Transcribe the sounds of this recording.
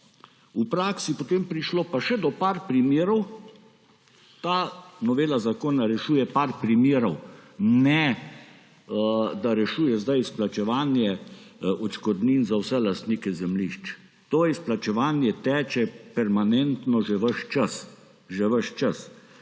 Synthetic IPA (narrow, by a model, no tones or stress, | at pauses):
upɾaːksipot̪eːmpɾiʃloːpaʃɛd̪ɔpaɾpɾimjeːɾɔw | t̪aːnɔʋeːlazakoːnaɾɛʃuːjɛpaɾpɾimjeːɾɔwnɛ | d̪aɾɛʃuːjɛzd̪ajisplat͡ʃɛʋaːnjɛɔt͡ʃkɔd̪niːnzawsɛlast̪niːkɛzɛmliʃt͡ʃ | t̪oːisplat͡ʃɛʋaːnjɛt̪ɛːt͡ʃɛpɛɾmanɛnt̪nɔʒɛʋəʃt͡ʃas | ʒɛʋəʃt͡ʃas